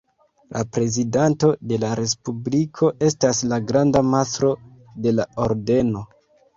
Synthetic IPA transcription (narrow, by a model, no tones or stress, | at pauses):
lʔapɾe̞zidanto̞de̞laɾe̞spublikʰo̞ʔe̞staslaɡɾandamasɾo̞ | de̞laoɾde̞no̞